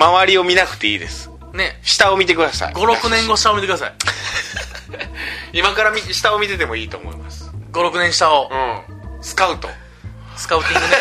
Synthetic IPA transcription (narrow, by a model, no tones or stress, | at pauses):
maβaɾʲio̞mʲinakɯ̟̥t̪e̞ḭːd̪e̞sɨ̥ | ne̞ɕi̥t̪ao̞mʲit̪e̞kɯd̪asa̰ḭɡo̞ɾo̞kɯ̟nẽ̞ŋɡo̞ɕi̥t̪aomʲit̪ekɯd̪asa̰i | imakaɾamʲiɕi̥t̪ao̞mʲit̪e̞t̪e̞mo̞iːt̪o̞ːmo̰ḭma̰sɨ̥ɡo̞ɾo̞kɯ̟nẽɕi̥t̪aoɯ̃sɨ̥kaɯ̟t̪o̰ | sɨ̥kaɯ̟t̪ʲĩŋɡɯne